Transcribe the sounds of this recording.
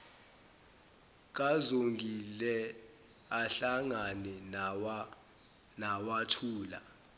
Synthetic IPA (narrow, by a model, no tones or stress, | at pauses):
k̬azoŋɡʱilɛ | aɬaŋanɛw | nawatʰuːla̰